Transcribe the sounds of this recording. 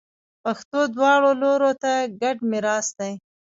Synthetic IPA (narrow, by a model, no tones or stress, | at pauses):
paxt̪od̪wɑɽoloɾot̪aɡaɖmɪɾɑsd̪aj